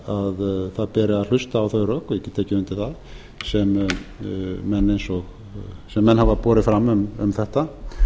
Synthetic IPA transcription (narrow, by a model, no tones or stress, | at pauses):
aðθaðpɛːɾɪaðl̥ʏst̪aːwθœɥɾœːkjɛcɪt̪ʰɛːcɪɪnt̪ɪθað | sɛm | mɛnːejnsɔɣ | sɛmːɛnːhavapɔːɾɪfɾamːʏmʏ̰mθɛht̪a